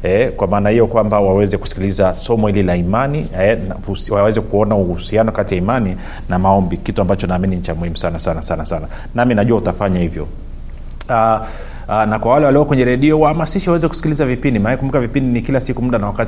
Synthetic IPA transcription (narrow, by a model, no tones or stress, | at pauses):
ɛkwamaːnahijɔkwambawawɛzɛku̥si̥kilizasɔmɔhililaimaniɛswawɛzɛkuɔnauhusianɔkatijaimani | namaɔmbikituambat͡ʃɔnaːminiɲ̩t͡ʃamuhim̩usanasanasanasana | naminaʄuwautafaɲahivjɔ̰ | a | nakwawalɛwaliɔkwɛɲɛɾɛɗiɔwahamasiʃiwawɛzɛku̥si̥kilizavipindimanakɛkumukavipindinikilasikumuɗanawakat